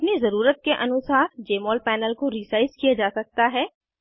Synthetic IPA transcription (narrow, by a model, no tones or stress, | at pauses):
ɐpnizɐɾuːɾət̪̚keʔɐnʊsaːɾd͡ʒeːmɔːlpɛːnəlkoɾiːsaːɪzkijad͡ʒaːsɐk̚t̪aɦɛː